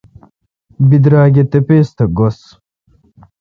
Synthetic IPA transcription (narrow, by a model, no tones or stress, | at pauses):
bid̪ɾaːɡet̪epeːst̪ɐɡos